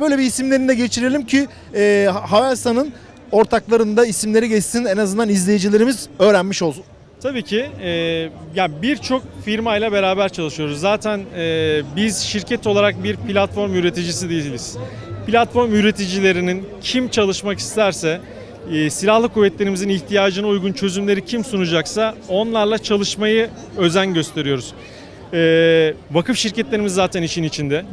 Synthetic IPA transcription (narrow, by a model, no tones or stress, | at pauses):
bøjlʲeiːsimlʲeɾind̪ɛɟe̞t͡ʃʰiɾelʲimcʰi | ɛːɦavast̪anɯn | o̞ɾt̪ʰaklˠaɾɯnd̪aisimlʲe̞ɾiɟɛst̪inɛnazɯnd̪anizlʲe̞jid͡ʒilʲe̞ɾimizø̞ːɾænmiʃolˠsun | t̪ʰabiːcʰiɛːjabiɾt͡ʃʰo̞k̚fiɾmajlˠabe̞ɾaːbæɾt͡ʃʰalˠɯʃɯjo̞ɾuzːaːt̪ʰænɛːbiz̥ʃiɾcʰɛt̪ʰo̞lˠaɾak̚biɾpʰilʲat̪fo̞ɾmjyɾe̞t̪id͡ʒis̬id̪ijiilʲiz̥ | pʰilʲat̪fo̞ɾmyɾe̞t̪ʰid͡ʒilʲe̞ɾinincʰimt͡ʃʰalˠɯʃmaki̥st̪ʰæɾsɛː | silʲahlˠɯkuvːɛt̪lʲe̞ɾimiziniçt̪ʰijaːd͡ʒɯnaujɡunt͡ʃʰø̞zymlʲe̞ɾicʰimsunud͡ʒaksao̞nlˠaɾlˠat͡ʃʰalˠɯʃmajɯ | ø̞zænɟø̞st̪ʰe̞ɾijo̞ɾuz̥ | ɛːvakʰɯfʃiɾcɛt̪lʲe̞ɾimizːaːt̪ʰɛniʃinit͡ʃʰind̪ɛ